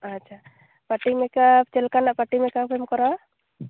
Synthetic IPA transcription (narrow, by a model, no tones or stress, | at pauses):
atːt͡ʃʰa | paʈimɛkapt͡ʃɛlkanaʔpaʈimɛkapʰemkɔɾɔ